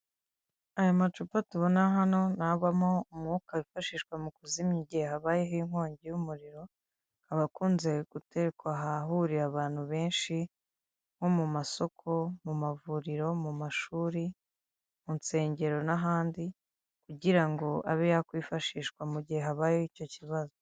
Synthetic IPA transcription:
ajamat͡ʃupatuβonaɦano̞naβamo̞umŋuːkaβifaʃiːʃkwamukuzimɲiɟihehaβaːjeɦiŋ̥ho̞ːɲɟejumuɾiɾo̞ | haβakuːnze̞ɡ̥ute̞ɾekwaɦaɦuɾiaβaːn̥huβe̞ːnʃi | ŋ̥ho̞mumaso̞kʰo̞mumavuɾiɾo̞mumaʃuːɾi | munse̞ːɲɟe̞ɾo̞naɦaːndi | kuɟiɾaŋɡo̞a̰βejakwiːfaʃiːʃkwamuɟieɦaβaːjehico̞ciβazo

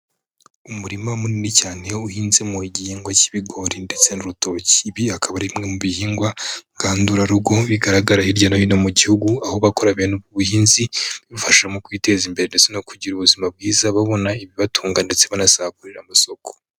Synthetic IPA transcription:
umuɾimamuninicaːne̞uhiːnzemuɟihiːŋɡwaciβiɡo̞ɾinde̞t͡se̞nuɾuto̞ci̥βiakʰaβaɾimŋe̞muβihiːŋɡwaɡ̥aːnduɾaɾuɡo̞βiɡaɾaɡaɾahiɾɟanajinomuɟihuɡuaho̞βakoɾaβenuβɡuβuhiːnziiβufaʃamokwiːte̞ːzimbe̞ɾende̞t͡se̞no̞kuɟiɾuβuzimab̚ɡiːzaβaβo̞naiβiβatʰuːŋɡande̞t͡se̞βanasaakuɾeɾamaso̞ko̥

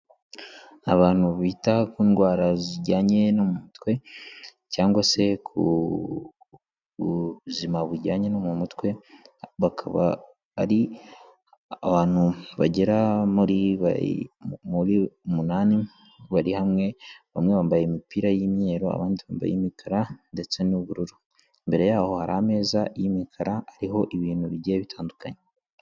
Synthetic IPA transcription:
aβaːn̥huβitakiːnɡwaːɾaziɾɟaːɲe̞nomumutwe̞ | caːŋɡwase̞kʰṵ | uzimaβuɾɟaːɲe̞nomumutwe̞βakʰa̰βa̰ | a̰ɾi | aβaːn̥huβaɟe̞ɾamuɾiβa̰ | muɾiumunaːni | βaɾihamŋe̞βamŋe̞βaːmbajemipiːɾajimɲe̞ːɾo̞a̰βaːndiβa̰ːmba̰jḛmikʰaɾande̞t͡se̞nuβuɾuɾu | mbe̞ɾe̞jaːho̞haɾame̞ːzajimikʰaɾaːɾiɦo̞ʔiβiːnhuβiɟeeβitʰaːndukaɲe

